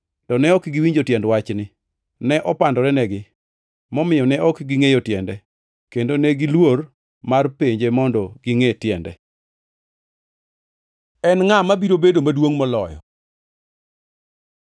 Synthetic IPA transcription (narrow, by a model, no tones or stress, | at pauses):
tɔnɛɔkɡiwiɲd͡ʒotjɛndwat͡ʃnɪ | nɛʔɔpandɔɾɛnɛɡɪ | mɔmɪjɔnɛɔkɡiŋejotjɛndɛ | kendonɛɡɪlwor | marpeɲd͡ʒemɔndɔɡɪŋetjɛndɛ̰ | ɛnŋamabiɾobedomadwoŋmɔlɔjɔ̰